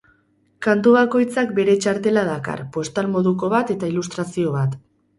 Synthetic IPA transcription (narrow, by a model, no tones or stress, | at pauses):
kant̪uβ̞ako̞jt͡sak̚be̞ɾe̞t͡ʃaɾt̪e̞laðaka̰rpo̞st̪almo̞ðuko̞β̞at̪e̞t̪ailust̪ɾasio̞βat̪